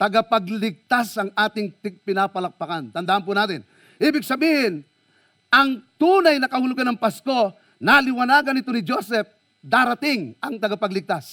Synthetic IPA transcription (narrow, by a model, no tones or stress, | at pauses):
t̪ɐɡapɐɡlɪɡ̚t̪asɐŋʔaːt̪ɪŋpɪpɪnaːpɐlɐk̚pɐkant̪ɐnd̪aːʔanp̬unaːt̪ɪn | ʔiːbɪɡ̚sɐbiːhɪn | ɐŋt̪uːnajnɐkɐhʊlʊɡanɐŋpasko̞ | nalɪwɐnaːɡɐnɪt̪o̞nɪd͡ʒosɛp̚ | d̪aːɾat̪ɪŋɐŋt̪ɐɡapɐɡlɪɡ̚t̪as